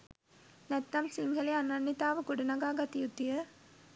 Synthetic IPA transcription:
nɛt̪ːɐmsiŋɡʱɐleɐnɐɳːit̪aːʋɐɡuɽunɐɡaːɡɐt̪ijut̪ːijə

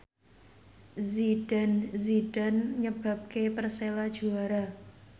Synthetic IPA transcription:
zid̥anzid̥anɲəb̥a̤p̚kepərselad̥ʒ̥ṳaɾa

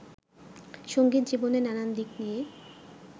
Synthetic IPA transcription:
ʃoŋɡit̪d͡ʑibonenanand̪iknije

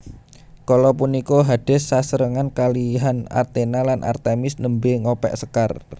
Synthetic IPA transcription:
kolɔpunikoɦad̥ɛ̤sːasəɾəŋankaliɦana̰rt̪enalanʔa̰rt̪emɪsnəmbeŋopɛ̰ʔsəkar

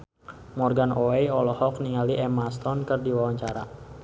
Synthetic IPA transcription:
mɔrɡanoɛjɔlɔhɔk̚niŋaliʔɛmast̪ɔnkərdiwawaɲt͡ʃaɾa

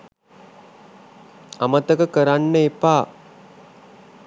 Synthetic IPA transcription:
amət̪əkəkəɾanːəepaː

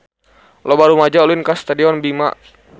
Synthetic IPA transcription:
lɔbaɾumad͡ʒaɔluinkast̪adiɔnbimaʔ

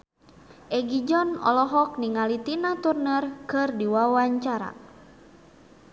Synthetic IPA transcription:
ʔɛɡid͡ʒɔnɔ̰lɔɦɔk̚niŋalit̪inat̪urnərkɨrdiwawaɲt͡ʃaɾa̰

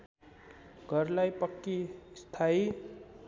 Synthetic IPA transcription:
ɡʱʌrlajpʌkːist̪ʰai

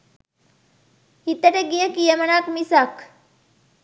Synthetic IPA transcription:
hit̪əʈəɡijəkijəmənakmisak

